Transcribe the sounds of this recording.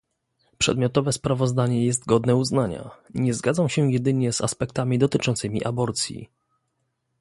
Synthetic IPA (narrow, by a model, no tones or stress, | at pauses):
pʂɛ̰d̪mʲjɔt̪ɔvɛspɾavɔzd̪aɲɛjɛs̬t̪ɡɔd̪nɛuznaɲa̰ɲɛzɡad̪zamɕɛjɛd̪ɘɲɛza̰spɛkt̪amʲid̪ɔt̪ɘt͡ʂɔ̃nt̪sɘmʲḭʔabɔɾt̪sʲjḭ